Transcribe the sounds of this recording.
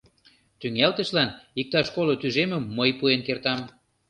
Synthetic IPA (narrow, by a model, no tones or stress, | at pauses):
t̪yŋælt̪ə̆ʃlɑnik̚t̪ɑʃkolot̪yʒemə̆mːəjpuenkert̪ɑm